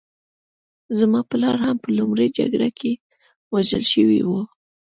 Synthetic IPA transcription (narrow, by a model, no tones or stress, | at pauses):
zmɑpəlɑɾhampəlʊmɾəjd͡ʒa̰ɡɽakʰe | waʒəlʃəwḭwu